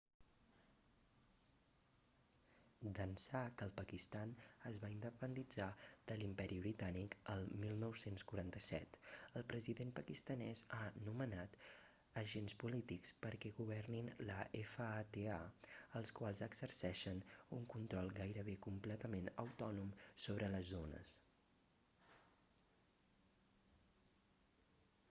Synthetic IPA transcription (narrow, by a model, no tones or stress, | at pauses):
d̪ənsakəːlˠpəkist̪anəzβaind̪əpənd̪id͡zað̥əlimpɛɾiβɾit̪anikəlˠmilˠnɔwsenskuɾant̪əsɛt̪əlˠpɾəziðenpəkist̪ənɛzanumənat̪ | əʒenspulit̪ikspəɾkɛɣuβ̞ɛrninləʔefəat̪eaəlˠskwalˠzəɡz̥əɾsɛʃənuŋkunt̪ɾɔlˠɡajɾəβ̞ekumplɛt̪əmenə̰wt̪ɔnumsoβ̞ɾələzonə̰s